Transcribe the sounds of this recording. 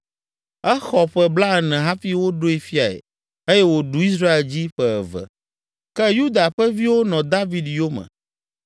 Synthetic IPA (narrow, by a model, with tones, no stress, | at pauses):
ɛ˦xɔ˨ɸɛ˨bla˦ɛ˨nɛ̃˨ɦa˦fi˦wo˦ɖo˦e˨fi˦a˨ḛ˨ | e˦jɛ˦wo˨ɖu˨i˦s̬ɾa˦e˨ld͡ʑi˦ɸɛ˨ɛ̰˨vɛ̰˨ | kɛ˦ju˦d̪a˨ɸɛ˦vi˦wo˦nɔ̃˨d̪a˦vi˨d̪jo˦mɛ̰̃˨